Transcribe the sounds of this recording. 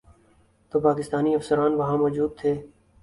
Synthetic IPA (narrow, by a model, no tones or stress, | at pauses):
t̪oːpaːkɪst̪aːniɐfsəɾaːnʋɐɦãmɔːd͡ʒuːd̪̚t̪ʰeː